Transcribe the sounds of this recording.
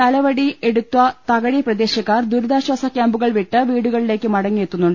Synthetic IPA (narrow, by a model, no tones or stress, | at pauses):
ɐlɐʋɐɽie̞ɽut̪ːuʋɐt̪ɐɣɐɻiprɐd̪e̞ːɕɐkːaːrd̪uɾud̪aːɕʋɐsɐkʲːjaːmbuɣɐɭʋiʈːɨʋiːɽuɣɐɭile̞ːkʲːɨmɐɽɐŋːijet̪ːunːuɳɖɨ